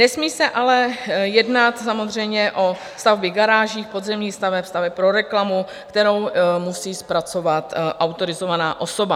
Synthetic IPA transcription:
nɛsmiːsɛʔalɛjɛdnat̪samo̞zr̝ɛjmɲɛʔo̞ | st̪avbɪɡaɾaːʒiːxpo̞d̪zɛmɲiːst̪avɛpst̪avɛppɾo̞ɾɛklamu | kt̪ɛɾo̞wmusiːspɾat͡so̞vat̪ʔawt̪o̞ɾɪzo̞vanaːʔo̞so̞ba

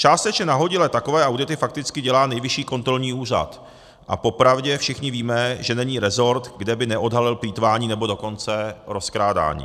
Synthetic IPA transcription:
t͡ʃaːst̪ɛt͡ʃɲɛnaɦo̞ɟɪlɛt̪akovɛːʔawdɪt̪ɪfak̚t̪ɪt͡skɪɟɛlaːnɛjvɪʃiːko̞nt̪ɾo̞lɲiːuːr̝a̰t̪ | ʔa̰po̞pɾavɟɛfʃɪxɲɪviːmɛʒɛnɛɲiːɾɛzo̞ɾt̪ɡdɛbɪnɛʔo̞dɦalɪlpliːt̪vaːɲiːnɛbo̞do̞ko̞nt͡sɛɾo̞skɾaːda̰ːɲḭː

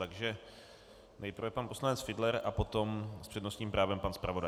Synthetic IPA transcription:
t̪aɡʒɛ | nɛjpr̩vɛpanposlanɛt͡sfɪdlɛɾʔapo̞t̪o̞mspr̝̥ɛdnost̪ɲiːmpɾʔaːvɛmpanspɾavo̞da

